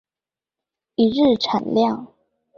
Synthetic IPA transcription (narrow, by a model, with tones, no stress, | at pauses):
i˨ɻ̩˥˨ʈ͡ʂʰa˨˩nljɑ˥˨ŋ